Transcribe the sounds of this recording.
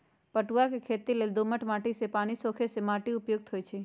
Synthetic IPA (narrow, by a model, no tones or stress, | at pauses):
pəʈuakekʰeːt̪ileːld̪oməʈmaːʈisepaːñisoːkʰesemaːʈiʊpjoɡ̚t̪ʰɦoːjt͡ʃʰe